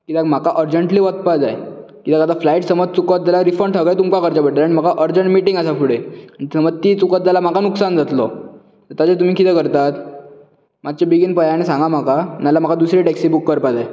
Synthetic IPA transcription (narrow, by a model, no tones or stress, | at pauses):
kit̪akm̤akaʔəɾd͡ʑəɳʈliːʋət̪̚pad͡zajekit̪akad̪aflaiʈsəməd͡z̚t͡sukət̪̚d͡zalaɾifəɳʈʰəɡət̪umkakəɾt͡ɕabəʈaaɽ̃im̤akaʔəɾd͡ʑəɳʈmiʈiŋɡəsafuɽeañit̪səməd͡zt̪it͡sukət̪̚d͡zalam̤akanuksand͡zat̪lɔ | t̪əɾt̪jat͡sət̪um̤iːkit̪ekəɾt̪at̪ | mat͡ɕebiɡinpəjaaɽisãŋɡam̤akanalam̤akad̪usɾiʈɛksibukːəɾpad͡zaj